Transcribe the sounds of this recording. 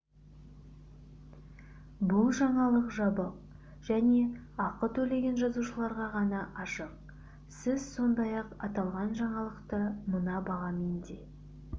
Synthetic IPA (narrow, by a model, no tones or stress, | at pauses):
bʊlˠʒɑɴɑlˠəqʒɑbəq̚ | ʒ̥æne̞ɑqət̪ʰɵle̞ɡʲe̞nʒɑzuʃəlˠɑɾʁɑʁɑnɑʔɑʃəq̚ | sɪzso̞nd̪ɑjɑqɑt̪ɑlˠʁɑnʒɑɴɑlˠəqt̪əmənɑbɑʁɑmend̪e̞